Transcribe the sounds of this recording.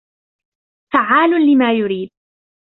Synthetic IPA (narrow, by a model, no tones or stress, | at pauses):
faʕaːlʊnlɪmaːjʊɾiːd̪̚